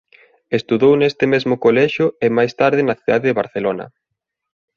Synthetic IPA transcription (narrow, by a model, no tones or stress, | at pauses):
est̪uðownest̪ɪmezmʊkolɛʃjʊemajst̪aɾð̞ɪnɐθiðaðeðeβaɾθelonɐ̰